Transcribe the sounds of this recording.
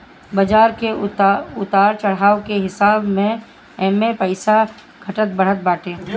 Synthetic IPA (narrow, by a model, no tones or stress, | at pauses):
bɐd͡ʒaːɾkeʊt̪aːɾt͡ʃɐɽ̤aːwkeɦɪsaːbmẽ | ɛːmẽpəɪsa | ɡ̥ʱɐʈət̪̚bɐɽ̤ət̪̚baːʈẽː